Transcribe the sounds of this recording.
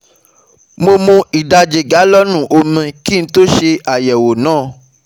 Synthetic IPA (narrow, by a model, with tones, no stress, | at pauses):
mo˧mũ˧i˨da˧˦d͡ʒe˨ɡa˨˦lɔ˦nũ˦˨ʔo˧mĩ˧ki˦ñ̩˦to˦ʃe˧a˨jɛ˨wo˨nãː˦˨